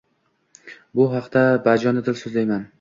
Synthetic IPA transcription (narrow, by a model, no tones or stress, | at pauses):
bʊɦɑqd̪abad͡ʒɒnɪd̪ɪlsɵzlajman